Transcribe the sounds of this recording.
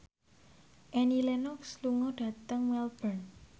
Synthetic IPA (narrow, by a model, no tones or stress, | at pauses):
ʔɛnilɛnɔksluŋɔɖ̥a̤t̪əŋwɛlb̥ərn